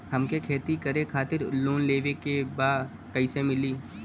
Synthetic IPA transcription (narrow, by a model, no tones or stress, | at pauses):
hɐmkekʰeːt̪ikəɾekʰaːt̪ɪɾloːnleːʋekebaː | kɐɪsemɪliː